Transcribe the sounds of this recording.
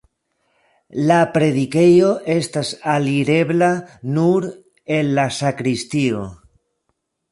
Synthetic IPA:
lapɾe̞ðike̞jo̞ʔe̞stasaliɾe̞blanuɾ | e̞nlasakɾistio̰

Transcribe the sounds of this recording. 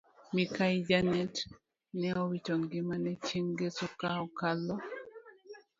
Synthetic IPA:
mikajid͡ʒanɛt | nɛɔwitoŋɡɪmanɛt͡ʃiŋɡesukaɔkalɔ

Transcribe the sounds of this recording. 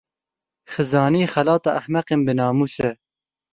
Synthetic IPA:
xɨzɑːniːxælɑːt̪ɑːʔæhmɛqenbɨnɑːmuːsɛ

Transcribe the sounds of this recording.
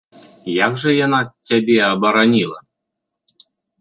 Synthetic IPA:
jaɡʐɐjanat͡sʲabʲɛɐbɐɾanʲilˠɐ

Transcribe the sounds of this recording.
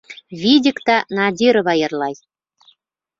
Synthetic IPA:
βʲidʲɘkt̪ɑnɑdʲiɾɤ̆βɑjɤ̆rlˠɑj

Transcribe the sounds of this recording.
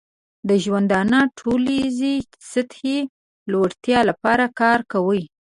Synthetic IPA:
d̪əʒwand̪ɑnəʈʰolizi | sət̪he | loɽt̪jɑlapɑɾakɑɾkawəj

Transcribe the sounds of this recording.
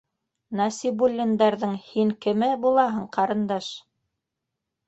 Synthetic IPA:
nɑsʲibulʲːind̪ɑɾðɤɴhiŋkɘ̆mɘbulˠɑɦɤɴqɑɾɤ̆nd̪ɑʃ

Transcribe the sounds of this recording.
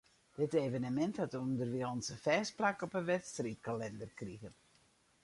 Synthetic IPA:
d̥ɪtevənəmɛnthatəundərʋiəɔnsəfɛːsplakɔpənʋɛtstrit̚kalɛndərkriɣən

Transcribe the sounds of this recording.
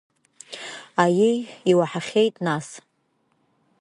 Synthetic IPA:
ajiiwaħaχʲe̞jtʼnas

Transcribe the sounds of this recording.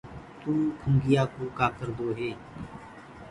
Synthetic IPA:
t̪ũːkʰʊŋɡɪjaːkoːkaːkəɾd̪oːɦeː

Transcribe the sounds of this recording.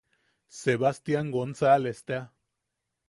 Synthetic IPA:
seβast̪jaŋɡonsalest̪ea

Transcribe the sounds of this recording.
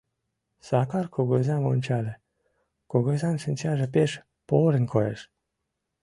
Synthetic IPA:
sɑkɑrkoɣozɑmonʲt͡ɕɑlʲe | koɣozɑnʃə̆nʲt͡ɕɑʒĕpeʃ | poɾə̆nʲkʰojeʃ

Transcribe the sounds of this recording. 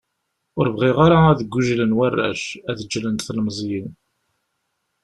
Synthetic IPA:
ʊɾvʁiʁaɾaæðəɡʷːuʒlənwærːæ̰ʃæðəd͡ʒːlənθlmzˤjən

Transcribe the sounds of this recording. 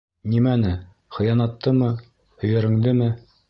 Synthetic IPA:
nimænɘ | χɤ̆jɑnɑt̪ːɤmɤ | hɵ̆jɘ̆ɾɘ̆ŋd̪ɘmɘ

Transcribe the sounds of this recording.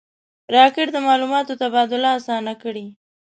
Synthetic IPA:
ɾɑkɪʈd̪əmɑlumɑt̪ot̪abɑd̪ʊlaːsɑnakəɽi

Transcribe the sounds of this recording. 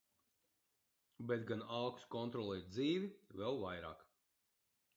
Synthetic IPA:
bʲet̪ɡanawkskɔnt̪ɾɔlˠɛd̪ziːʋʲivɛlˠvajɾa̰ːk

